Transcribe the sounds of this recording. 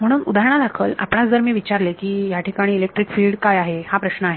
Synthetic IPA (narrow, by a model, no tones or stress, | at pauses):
m̤əɽ̃uːnud̪ʱaɾɳ̃ad̪akʰəla̰pɳat͡sd͡zəɾmiːʋit͡ɕaɾlekiːjaʈʰikaɽ̃iːlek̚ʈɾikfilɖkajaɦehapɾəɕnəaɦe